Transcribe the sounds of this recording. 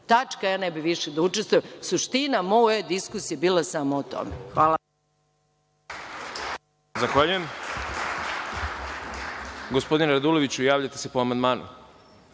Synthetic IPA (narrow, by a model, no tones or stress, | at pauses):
t̪at͡ʃkajaːnɛbiʋiʃed̪aut͡ʃest̪ʋujemsuʃt̪inamoed̪iskusijebiːlˠasamoːt̪o̰mḛxʋaːla | zaxʋaʎujem | ɡospo̞d̪inɾad̪ulo̞ʋit͡ɕujaːʋʎat̪ese̞poamand̪maːnṵ